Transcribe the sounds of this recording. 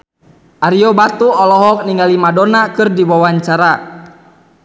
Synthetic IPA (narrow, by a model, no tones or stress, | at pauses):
ʔaɾiɔbat̪uɔlɔɦɔk̚niŋɡalimadɔnakɨrdiwawaɲt͡ʃaɾa